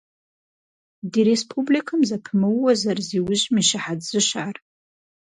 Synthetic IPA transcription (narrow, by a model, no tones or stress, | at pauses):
diɾespʰublikʰɨmzapʰmɨwːazarziwʊʒmiʃaħadzɨʃar